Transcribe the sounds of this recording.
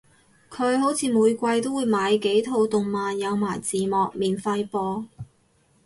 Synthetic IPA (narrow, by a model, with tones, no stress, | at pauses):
kʰɵ˨˧ɥho˨˥wt͡sʰiː˨˧muː˨˧jkʷɐ˧jt̪o˥wu˨˧jmaː˨˧jke˨˥jt̪ʰo˨˧wt̪ʊ˨ŋmaː˨njɐ˨˧wmaː˨˩jt͡siː˨mɔː˨k̚miː˨nfɐ˧jpɔː˧